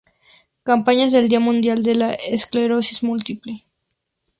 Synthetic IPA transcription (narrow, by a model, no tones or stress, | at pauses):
kampaɲazðe̞ld̪iamũnd̪jald̪e̞laʔeskleɾosizmult̪iple